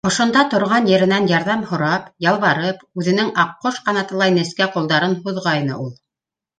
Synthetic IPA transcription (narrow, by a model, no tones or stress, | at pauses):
ŏʃŏnd̪ɑt̪ŏɾʁɑnjɘ̆ɾɘ̆nænjɑɾðɑmhŏɾɑpjɑlˠβɑɾɤpʉðɘ̆nɘŋɑqːoʃqɑnɑt̪ɤ̆lˠɑjnɘ̆skæqulˠd̪ɑɾɤnɦuðʁɑjnɤ̰ʔulˠ